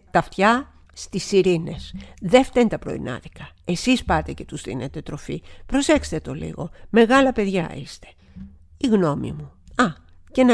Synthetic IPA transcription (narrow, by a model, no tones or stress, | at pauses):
t̪ɐft̪çɐ | st̪isiɾine̞sðeft̪ent̪ɐpɾo̞̰ḭnɐ̰ðikɐe̞sispɐt̪e̞ce̞t̪uzðḭne̞t̪e̞t̪ɾo̞fḭpɾo̞se̞kse̥t̪et̪o̞̰lḭɣo̞me̞ɣɐlɐpe̞ðʝɐ̰ist̪e̥ | iɣno̞mḭmu | ɐ | ce̞n